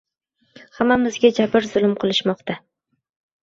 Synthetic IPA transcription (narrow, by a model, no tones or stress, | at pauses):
hamːamɪzɡʲad͡ʒabɪɾzʊlˠɪmqʰɨlˠɪʃmɒqt̪ʰa